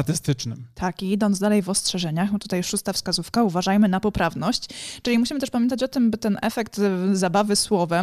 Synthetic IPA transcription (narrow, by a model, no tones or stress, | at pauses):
t̪ɘst̪ɘt͡ʂnɘmt̪ʰakiid̪ɔnzd̪alɛjvɔstʂɛʐɛɲaxt̪ut̪ajʂust̪afskazufkauvaʐajmɘnapɔpɾavnɔɕt͡ɕt͡ʂɘlʲimuɕimɘt̪ɛʂpamʲjɛnt̪̬at͡ɕɔt̪ɘmbɘt̪ɛnʔɛfɛkt̪zabavɘswɔvɛ